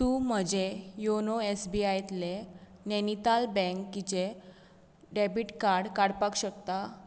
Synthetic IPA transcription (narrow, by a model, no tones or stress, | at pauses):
t̪uːm̤əd͡ʑejonoesbiajt̪le | nɛnit̪albɛ̃ŋkːit͡ɕe | ɖɛbiʈkaɾɽkaɽpakɕəkt̪a